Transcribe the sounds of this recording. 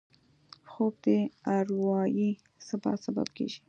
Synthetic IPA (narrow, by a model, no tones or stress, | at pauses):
xob̚d̪eaɾwɑji | sabɑ̰t̪saba̰b̚kḛʒi̥